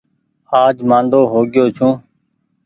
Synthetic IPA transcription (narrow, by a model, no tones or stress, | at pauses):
aːd͡ʒmãːnd̪oːɦoːɡɪjoːt͡ʃʰũː